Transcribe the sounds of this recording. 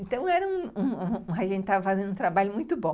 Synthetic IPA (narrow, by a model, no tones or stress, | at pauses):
ẽnt̪ɐ̃w̃ɛɾɐũũũaʒẽtt͡ʃɪt̪avɐfazẽnd̪ũt̪ɾabaʎʊmũj̃t̪ʊbõ